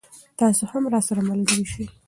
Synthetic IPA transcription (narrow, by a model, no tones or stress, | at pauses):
t̪ɑsohamɾɑsaɾamalɡəɾiʃi